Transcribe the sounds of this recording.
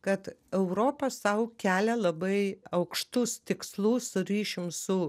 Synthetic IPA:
kɐt̪ɛʊɾoːpɐsɐʊkʲæːlʲɛlˠɐbɐɪɐʊkʃt̪ʊst̪ʲɪkslˠuːssʊɾʲiːʃʲɪmsʊ

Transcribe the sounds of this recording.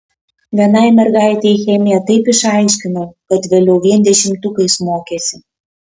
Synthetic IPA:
ʋʲiɛnɐɪmʲɛɾɡɑɪt̪ʲejxʲɛmʲɪjɛt̪ɐɪpɪʃɑɪʃʲkʲɪnokɐt̪ʋʲeːlʲɛʊʋʲiɛnʲd̪ʲɛʃʲɪmt̪ʊkɐɪsmoːkʲeːsʲɪ

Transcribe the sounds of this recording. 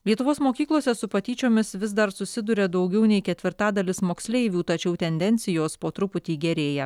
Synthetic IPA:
lʲiɛt̪ʊʋoːsmoːkʲiːklˠoːsʲɛsʊpɐt̪ʲiːt͡ʃʲoːmʲɪsʋʲɪzd̪ɐɾsʊsʲɪd̪ʊɾʲɛd̪ɐʊɡʲɛʊnʲɛɪkʲɛt̪ʲʋʲɪɾt̪ɑːd̪ɐlʲɪsmoːksʲlʲɛɪʋʲuːt̪ɐt͡ʃʲɛʊt̪ʲɛnʲd̪ʲɛnʲt̪sʲɪjoːspoːt̪ɾʊpʊt̪ʲiːɡʲɛɾʲeːjɛ

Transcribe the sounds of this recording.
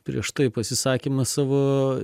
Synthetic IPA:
pʲɾʲḭɛʃt̪ɐɪpɐsʲɪsɑːkʲimɐsɑːʋoː

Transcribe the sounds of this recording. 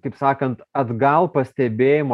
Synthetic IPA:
kɐɪpsɑːkɐnt̪ɐd̪ɡɐlˠpɐsʲt̪ʲɛbʲeːjɪmo

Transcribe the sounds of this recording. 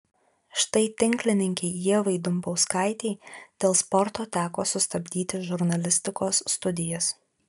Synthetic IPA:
ʃt̪ɐɪt̪ʲɪŋʲklʲɪnʲɪŋʲkʲɛɪiɛʋɐɪd̪ʊmbɐʊskɑɪt̪ʲɛɪd̪̥ʲeːlˠspɔɾt̪oːt̪ʲæːkoːsʊst̪ɐbʲd̪ʲiːt̪ʲɪʒʊɾnɐlʲɪsʲt̪ʲɪkoːsːt̪ʊd̪ʲɪjɛs

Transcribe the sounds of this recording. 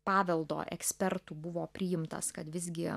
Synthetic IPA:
pɑːʋʲɛlˠd̪o̰ːʔɛ̰ksʲpʲɛrt̪uːbʊʋoːpʲɾʲɪːjɪmt̪ɐ̰skɐt̪ʋʲɪzʲɡʲɪ

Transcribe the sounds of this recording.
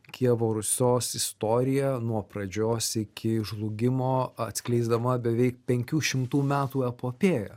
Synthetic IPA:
kʲʰiɛʋoːɾʊsʲoːsɪst̪oːɾʲɪjɛnuɔpɾɐd͡ʒʲoːsɪkʲɪʒlˠʊɡʲɪmoːɐt̪ʲsʲklʲɛɪzd̪ɐmɐbʲɛʋʲɛɪk̚pʲɛŋʲkʲuːʃʲɪmt̪uːmʲæːt̪uːɛpoːpʲeːjɛ

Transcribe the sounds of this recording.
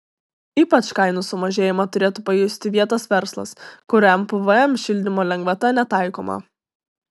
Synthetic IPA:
iːpɐt͡ʃkɐɪnʊsʊmɐʒʲeːjɪmɐt̪ʊɾʲeːt̪ʊpɐjʊsʲt̪ʲɪʋʲiɛt̪ɐsʋʲɛɾslˠɐ̰skʊɾʲɛmpəʋəɛmʃʲɪlʲd̪ʲɪmoːlʲɛŋɡʋɐt̪ɐnʲɛt̪ɑˑɪko̰ːmɐ̰

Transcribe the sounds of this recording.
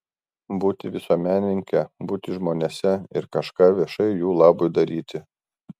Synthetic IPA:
buːt̪ʲɪʋʲɪsuɔmʲæːnʲɪɪŋʲkʲɛbuːt̪ʲɪʒmoːnʲeɛsʲɛɪɾkɐʃkɑːʋʲiɛʃɐɪjuːlˠɑːbʊɪd̪ɐɾʲiːt̪ʲɪ

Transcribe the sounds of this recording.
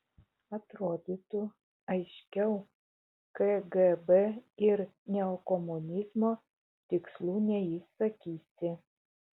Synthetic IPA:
ɐt̪ɾoːd̪ʲiːt̪ʊ | ɐɪʃʲkʲɛʊ | kɛɡɛbɛɪɾnʲɛɔkɔmʊnʲɪzmoː | t̪ʲɪkslˠuːnʲɛjɪsɐkʲiːsʲɪ

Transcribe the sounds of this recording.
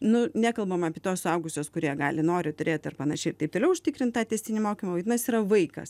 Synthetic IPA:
nʊnʲæːkɐlˠbɐmɑːpʲiɛt̪oːsʊɐʊɡʊsʲoːskʊɾʲiɛɡɑ̰ːlʲɪnoːɾʲɪt̪ʊɾʲeːt̪ɪrpɐnɐʃʲɛɪt̪ɐɪpt̪oːlʲɛʊʃʲt̪ʲɪkɾʲɪnt̪t̪ɑːt̪ʲɛːsʲt̪ʲɪnʲɪmoːkʲimɐʋɐɪt̪ʲɪnɐsiːɾɐʋɐɪkɐ̰s

